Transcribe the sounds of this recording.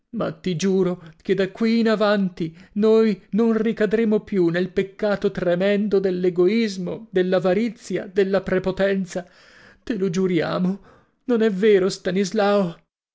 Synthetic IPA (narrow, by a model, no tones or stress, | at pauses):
ma̰t̪ːid͡ʒuːɾoked̪akːwiːnavant̪inojnonrikad̪ɾemopjunelpekːaːt̪ot̪ɾemɛnd̪od̪elːeɡoizmod̪elːavaɾit̪sja̰d̪elːapɾepot̪ɛnt̪sa | t̪elod͡ʒuɾja̰ːmo | nonɛvːeːɾost̪anizlao